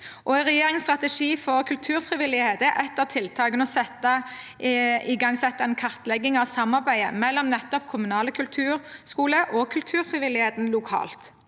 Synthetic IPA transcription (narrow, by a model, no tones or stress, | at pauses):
ʔɔæʁɛjeːɾɪŋst̪ʁɑt̪əʂiːfɔʁkʰʉlt̪ʰʉːʁfʁɪʋɪlːɪheːt̪əʔɛt̪ːəʁt̪ʰɪlt̪ʰɑːɡənɔsɛt̪ːɑ | ɪɡɑŋsɛt̪ːəɛnkʰɑʁt̪lɛɡɪŋɑʋsɑmːɑʁbæɪə̰mɛlːɔmnɛt̪ːɔpkʰʊmʉnɑːləkʰʉlt̪ʰʉːʁskuːləʔɔkʰʉlt̪ʰʉːɾfʁɪʋɪlɪheːt̪n̩lʊkʰɑ̰ːlt̪